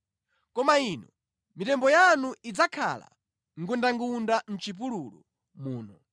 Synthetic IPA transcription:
kɔmainɔ | mitɛmbɔjanuʔid͡zakʰa̰la̰ | ŋɡundaŋɡundan̩t͡ʃip̬ululu | muːnɔ

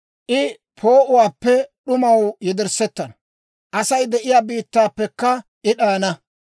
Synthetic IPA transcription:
ʔɪ | pʰo̞ːʔʊwaːpːɛɗʊmɐwjɛd̪ɛɾsɛt̪ːɐnɐ | ʔɐsɐjd̪ɛʔɪjaːbiːt̪ːaːpːɛkːɐʔɪɗaːnɐ

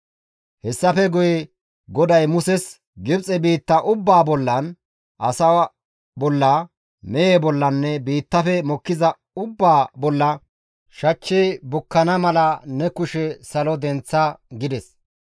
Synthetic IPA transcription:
hɛsːɐfɛɡʊjɛ | ɡɔd̪ɐjmʊsɛs | ɡɪbt͡sʼɛbiːt̪ːɐʔʊbːaːbɔlːɐn | ʔɐsɐw | bɔlːɐ | mɛjebɔlːɐnːɛbiːt̪ːɐfɛmɔkːɪzɐ | ʊbːaːbɔlːɐ | ʃɐt͡ʃːibʊkːɐnɐmɐlɐnɛkʊʃɛsɐlɔd̪ɛnt͡sːɐɡɪd̪ɛs

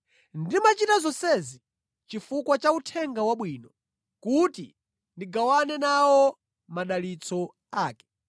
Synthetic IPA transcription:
ndimat͡ʃitazɔsɛzi | t͡ʃifukwat͡ʃautʰɛŋɡawaɓwiːnɔ | kutḭ | ndiɡawanɛnawɔ | maɗalit͡sʰɔ | aːkɛ̥

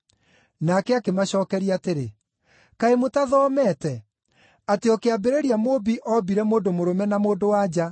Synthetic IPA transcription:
nakɛakemaɕɔːkɛɾiaːteɾḛ | kaemotaðɔːmɛtɛ | ateɔkeabeɾeɾiamobiʔɔbiɾɛmoːndomoɾomɛnamoːdowad͡ʑa

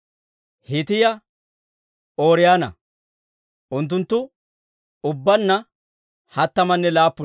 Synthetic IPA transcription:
hɪt̪ɪjɐ | oːɾɪjaːnɐ̰ | ʔʊnt̪̬ːʊnt̪ːʊ | ʊbːɐnːɐ | hɐt̪ːɐmɐnːɛlaːpːʊ

